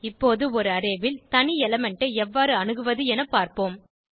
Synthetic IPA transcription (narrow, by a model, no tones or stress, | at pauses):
ɪpːoːðɯɔɾɯɐɾeːʋɪlt̪ɐnɪɛlɐmɛɳʈɐɪɛʋːaːɾɯɐnɯɣɯʋɐðɯɛnɐpːaːɾpoːm